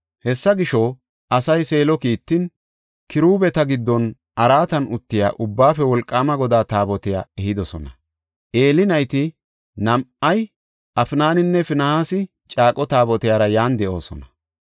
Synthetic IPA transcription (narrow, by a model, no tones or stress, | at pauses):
hɛsːɐɡɪʃɔ | ʔɐsɐjse̞ːlɔkiːt̪ːɪn | kɪɾuːbɛt̪ɐɡɪd̪ːɔn | ɐɾaːt̪ɐnʊt̪ːɪja̰ːʔʊbːaːfɛwɔlkʼːaːmɐɡɔd̪aːt̪aːbɔt̪ɪja̰ːɛhɪd̪ɔsɔnɐ | ʔe̞ːlɪnɐjt̪ɪ | nɐmʔɐj | ɐfnaːnɪnːɛfɪnɐhaːsɪ | t͡ʃʼaːkʼɔt̪aːbɔt̪ɪjaːɾɐjaːnd̪ɛʔo̞̰ːsɔ̰nɐ